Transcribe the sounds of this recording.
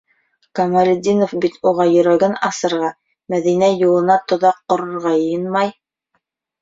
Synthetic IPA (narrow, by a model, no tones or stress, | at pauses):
kɐmɑɾʲɪd̪ʲinofbit̪ʰuʁɑjɵ̆ɾæɡænɑsɤ̆ɾʁɑ | mæðinæjulˠɤ̆nɑt̪ŏðɑq̚ːŏɾŏɾʁɑjɤjɤnmɑj